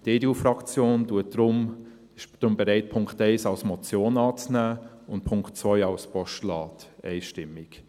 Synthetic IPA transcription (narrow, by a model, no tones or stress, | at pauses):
d̥eːdufɾɑkt͡sjoːnd̥uətɾʊm | ɪʃd̥ɾʊmbɛɾɛɪt̚pʰʊŋktɛɪsɑlsmɔt͡sjoːnɑːt͡snæː | ʊntpʰʊŋktt͡sʋœʏɑʊspʰɔʃtlɑːtɛ̰ɪʃtɪmːɪk